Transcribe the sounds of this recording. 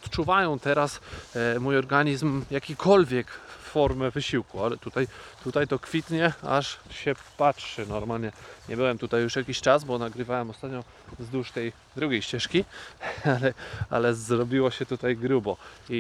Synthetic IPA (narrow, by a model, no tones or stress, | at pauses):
ɔt̪t͡ʂuvajɔ̃w̃t̪ɛɾasmujɔɾɡaɲizmjakʲikʰɔlvʲjɛkfɔɾmɛvɘɕiwkualɛt̪ut̪ajt̪ut̪ajt̪ɔkfʲit̪ɲɛa̰ʂɕɛpatʂɘnɔɾmalɲɛɲɛbɘwɛmt̪ut̪ajːuʂjakʲiɕt͡ʂazbɔnaɡɾɘvawɛmɔst̪at̪ɲɔ | vzd̪uʂt̪ɛj | d̪ɾuɡʲejɕt͡ɕɛʂkʲialɛa̰lɛzɾɔbʲiwɔɕɛt̪ut̪ajɡɾubɔi